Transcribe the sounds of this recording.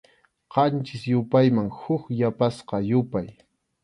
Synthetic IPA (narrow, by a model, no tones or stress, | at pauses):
qɑnt͡ʃɪsjʊpajmaŋhʊkjapasqɑjʊpaj